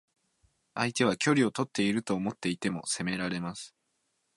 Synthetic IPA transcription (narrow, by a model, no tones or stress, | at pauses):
ait̪e̞β̞akʲo̞ɾʲio̞t̪o̞t̪ːe̞iɾɯ̟t̪o̞ːmo̞t̪ːe̞it̪e̞mo̞̰se̞me̞ɾaɾe̞masɨ̥